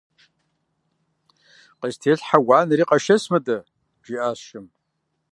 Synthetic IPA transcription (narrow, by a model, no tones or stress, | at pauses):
qəʒtʰeːɬħawaːnɨriːqɐʃɐsmɨdɐ | ʒiʔaːʃɪm